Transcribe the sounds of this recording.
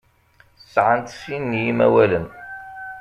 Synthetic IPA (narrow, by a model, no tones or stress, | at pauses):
sʕant̪finːjimæ̰wælən